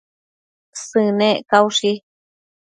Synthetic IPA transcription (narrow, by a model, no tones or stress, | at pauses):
sɨ̃nẽkauʂi